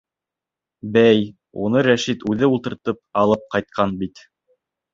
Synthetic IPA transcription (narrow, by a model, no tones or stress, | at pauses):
bæj | unɤɾæʃit̪ʉðɘulˠt̪ɤ̆ɾt̪ɤp̚ɑlˠɤp̚qɑjt̪̚qʰɑnbit̪